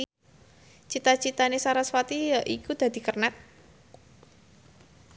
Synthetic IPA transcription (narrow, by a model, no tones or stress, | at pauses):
t͡ʃit̪at͡ʃit̪anesaɾaswat̪ijaʔikud̪̥a̤d̪̥i̤kərnat̪̚